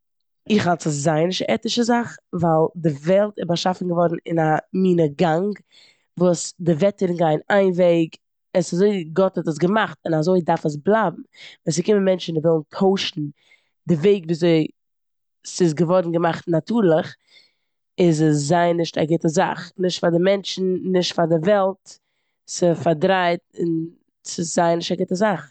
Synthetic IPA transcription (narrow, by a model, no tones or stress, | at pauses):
ɪχhalˠsəszaɪnɪʃtaʔɛtɪʃəzaχvalˠdɪvɛlˠtɪbaʃafn̩ɡəvɔɾn̩ɪnamiːnəɡaŋɡ | vuːsdɪvɛtəɾɪnɡaɪnaɪnveɪɡ | ɛsazoɪɡɔthɔtəs̬ɡəmaχtɪnazoɪdaɾfəs̬blˠaːb̚m̩vaːs̬ɪkɪmənmɛnt͡ʃn̩dɪvɪlˠn̩tʰoʊʃn̩ | dɪveɪɡviːzoɪ | sɪs̬ɡəvɔɾdn̩ɡəmaχtnatuːɾlˠəχ | ɪzəszaɪnːɪʃta̰ɡɪtəza̰χnɪʃtfaɾdɪmɛnt͡ʃn̩nɪʃtfaɾdɪvɛlˠt | sɪfaɾdɾaɪt̚ɪn | sɪszaɪnɪʃtaɡɪtəzaχ